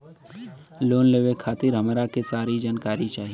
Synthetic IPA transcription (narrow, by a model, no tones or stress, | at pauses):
loːnleːʋekʰaːt̪ɪɾɦɐmɾakesaːɾid͡ʒaːnkaːɾit͡ʃaːɦie